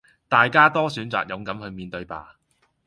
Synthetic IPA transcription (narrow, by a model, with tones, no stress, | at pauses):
t̪aː˨jkaː˥t̪ɔː˥syː˨˥nt͡sa̰ː˨k̚jʊ˨˧ŋkɐ˨˥mhɵ˨˧miː˨nt̪ɵ˧ɥpa̰ː˨